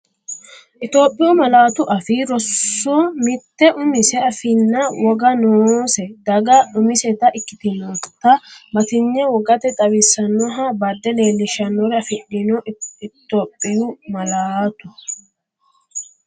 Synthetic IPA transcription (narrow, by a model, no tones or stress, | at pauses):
ʔɪt̪o̞ːpʼːɪjʊmɐlaːt̪ʊʔɐfɪɾɔsːomɪt̪ːɛʔʊmɪsɛɐfɪnːɐwɔɡɐnoːsɛd̪ɐɡɐʊmɪsɛt̪ɐʔɪkːɪt̪ɪnot̪ːɐmɐt̪ɪɲːɛwɔɡɐt̪ɛt̪ʼɐwɪsːɐnːɔɦɐbɐd̪ːɛle̞ːlːɪʃɐnːɔɾɛɐfɪɗːɪnɔt̪ːoːpʼːɪjʊmɐlaːt̪ʊ̥